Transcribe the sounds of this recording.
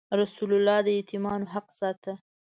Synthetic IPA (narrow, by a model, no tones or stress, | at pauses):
ɾasulʊlːɑd̪əet̪ɪmɑnoɦaqsɑt̪a